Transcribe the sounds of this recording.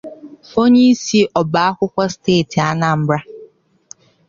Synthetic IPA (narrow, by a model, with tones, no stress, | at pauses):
fo˦ɲi˦si˦ʔɔ˨ba˨˦a˦kʷʊ˦kʷa˦steː˦˨ti˨a˦na˨m̩˦bɾa˦